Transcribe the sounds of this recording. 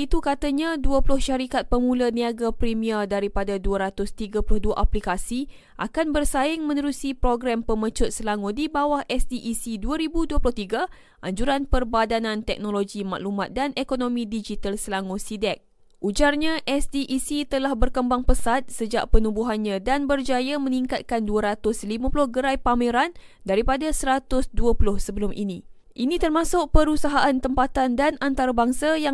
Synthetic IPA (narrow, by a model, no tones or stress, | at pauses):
it̪ukat̪aɲãduəplʊhʃaɾikat̪̚pəmũlaniaɡapɾimiadaɾipadaduaɾat̪ʊst̪iɡaplʊhduaʔaplikasi | ʔa̰kanbərsaɪŋmə̃nəɾusipɾoɡɾampəmə̃t͡ʃʊt̪̚səlaŋodibawahʔɛsdiʔisiduəɾibuduəplʊht̪iɡa | ʔaɲd͡ʒuɾanpərbadanãnt̪ɛk̚noloɡima̰ʔlumãt̪̚danekonõmĩdid͡ʒit̪alsəlaŋosidɛk̚ | ʔud͡ʒarɲãʔɛsdiʔːsit̪əlahbərkəmbaŋpəsat̪̚səd͡ʒa̰ʔpənũbuɦanɲãdanbərd͡ʒajamə̃nĩŋkat̪̚kanduaɾat̪ʊslimãpulʊhɡəɾajpameɾan | daɾipadasəɾat̪ʊsduəpulʊhsəbəlʊmʔḭnĩ | ʔinĩt̪ərmãsʊʔ̚pəɾusaɦaʔant̪əmpat̪andanant̪aɾabaŋsaja